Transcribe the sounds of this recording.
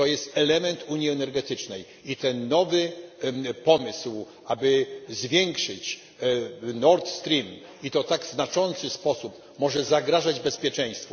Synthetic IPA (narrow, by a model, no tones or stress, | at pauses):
t̪ɔjɛst̪ɛlɛmɛnt̪uɲjiɛnɛɾɡɛt̪ɘt͡ʂnɛj | it̪ɛnːɔvɘ | pɔmɪsw | abɘzvʲjɛŋkʂɘt͡ɕ | nɔɾt̪st̪ɾʲim | it̪ɔt̪aɡznat͡ʂɔnt̪sɘspɔsup | mɔʐɛzaɡɾaʐad͡ʑbɛspʲjɛt͡ʂɛ̃j̃st̪fɔ